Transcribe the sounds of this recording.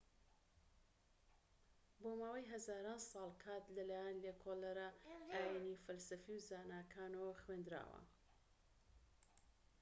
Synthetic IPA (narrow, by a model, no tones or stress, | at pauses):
bomaːwajɦɐzaːɾaːnsɑːlˠkʰat̪lɐlaːjanlekʰolɐɾaajenifɐlsɐfiwzaːnaːkʰaːnɐwɐxwend̪ɾa̰ːwɐ̰